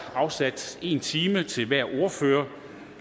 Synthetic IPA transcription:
ɑ̈ʊsæd̥e̝nt͡sʰiːmət͡sʰe̝lʋæɐ̰ʔo̝ɐføːɐ

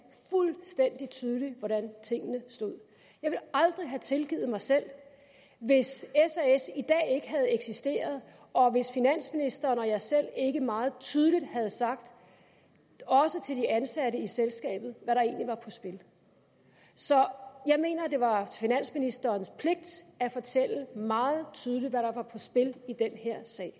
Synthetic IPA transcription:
fulsd̥en̰d̥it͡sʰyːð̞ˠliʋɒɾænt͡sʰe̝ŋ̰ənəsd̥o̝ð̞̰ˠ | jɑ̈ɪʋe̝lɑ̈ld̥ʁiɦæt͡sʰe̝lɡ̥ḭð̩ˠmɑ̈ɪsel̰ | ʋe̝sesesid̥ɛ̰ːe̝ɡ̥əɦæð̞̩ˠeɡ̥sisd̥e̝̰ːɐð̞ˠ | ɒ̽ʋe̝sfinæn̰sminisd̥ɐːnɒ̽jɑ̈ɪsel̰e̝ɡ̥əmɑ̈ːð̞̩ˠt͡sʰyːð̞ˠəlid̥hæð̞̩ˠsɑ̈ɡ̥̚d̥ | ɒ̽sət͡sʰeld̥iʔænsæɾəiselsɡ̥ɛ̰ːb̥ð̩ˠʋæɾɑ̈e̝̰ːnliʋɑ̈pʰɒ̽sb̥e̝l | sɒ̽jɑ̈ɪme̝̰ːnɐd̥e̝ʋɑ̈finæn̰sminisd̥ɐːnspʰle̝ɡ̥̚d̥æfɒ̽t͡sʰel̰əmɑ̈ːð̩ˠt͡sʰyð̞ˠlidʋæɾɑ̈ʋɑ̈pʰɒ̽sb̥e̝lid̥enheɐ̰sɛ̰ːɪ

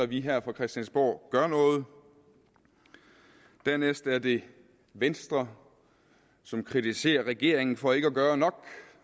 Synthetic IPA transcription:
ɐʋiɦæɐ̰fʁɑ̈kʰʁɛsd̥ænsb̥o̰ːɡ̥ɶɐnɔ̽ːð̞̩ˠ | d̥æɐnesd̥æɐd̥e̝ | ʋensd̥ʁɐ | sɒ̽mkʰʁit͡sʰise̝̰ːɐʁɛɡ̥e̝ɐ̰e̝ŋn̩fɒ̽e̝ɡ̥əɒɡ̥ɶːɐnɒ̽ɡ̥

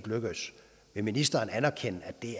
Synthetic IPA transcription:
ɡ̥løɡ̥əs | ʋe̝minisd̥ɐːnænæɐkʰenəæ̥e̝

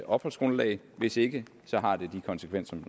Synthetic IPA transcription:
ɒ̽b̥hɒ̽lsɡ̥ʁonəlɛ̰ɪ | ʋe̝se̝ɡ̥ə | sɒ̽ɦɑ̈d̥e̝d̥ikʰɒ̽nsəkʰʋen̰sɒm

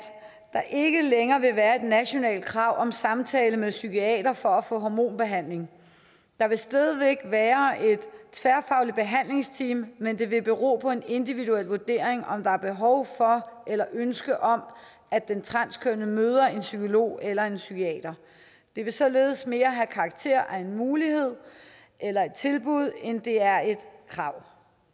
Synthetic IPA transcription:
d̥ɑ̈ʔe̝ɡ̥əleŋɐːʋe̝ʋæːɐe̝d̥næɕo̝nɛ̰ːld̥̚kʰʁɑ̈ʊ̰ʔɒ̽msɑ̈mt͡sʰɛːləmeðˠsykʰiɛ̰ːd̥ɐfɒ̽æfɔ̰̽ːɦɒmo̝̰ːnb̥e̝ɦæn̰le̝ŋ | d̥ɑ̈ʋe̝sd̥ɛðˠəʋeɡ̥ʋæːɐe̝d̥t͡sʰʋæɐfɑ̈ʊlid̥̚b̥e̝ɦæn̰le̝ŋst͡sʰḭːmːend̥e̝ʋe̝b̥e̝ʁo̝̰ːpʰɒ̽e̝ne̝nd̥iʋiðuel̰ʋuɐd̥e̝̰ɐ̰e̝ŋɒ̽md̥ɑ̈æɐb̥e̝ɦɒʊfɒ̽ʔelɐʔønsɡ̥əʔɒ̽m | æ̥ent͡sʰʁɑnskʰønəmøːð̞ˠɐe̝nsykʰo̝lo̝̰ːelɐe̝nsykʰiɛ̰ːd̥ɐ | d̥e̝ʋe̝sɒ̽le̝ːðˠsme̝ːɐɦækʰɑ̈ːɡ̥̚t͡sʰe̝ɐ̰ʔæe̝nmuːliɦe̝ð̞̰ˠ | ʔelɐe̝d̥̚t͡sʰe̝lb̥uð̞̰ˠend̥e̝æɐe̝d̥kʰʁɑ̈ʊ̰

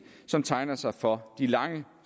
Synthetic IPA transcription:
sɒ̽mt͡sʰɑ̈ɪnɐsɑ̈ɪfɒ̽d̥ilɑ̈ŋə | s

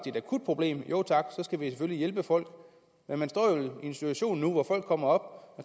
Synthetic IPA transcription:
d̥id̥æɐkʰud̥̚pʰʁo̝b̥le̝̰ːmjo̝̰ʊ̰t͡sʰɑ̈ɡ̥sɒ̽sɡ̥æʋisefølijelb̥əfɒ̽l̰ɡ̥ | menmænsd̥ɒ̰ːjoie̝nsi̥t͡sʰuæɕo̝̰ːnːuʋɒfɒ̽l̰ɡ̥̚kʰːɒ̽m̰ɐɒ̽b̥

